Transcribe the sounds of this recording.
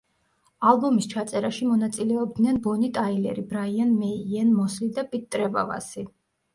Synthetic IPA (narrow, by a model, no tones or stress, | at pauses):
alˠbɔmist͡ʃʰat̪sʼɛɾaʃimɔnat̪sʼilɛɔb̚d̪nɛnbɔnit̪ʼailɛ̰ɾibɾaianmɛiɛnmɔslid̪apʼitt̪ʼɾɛba̰va̰si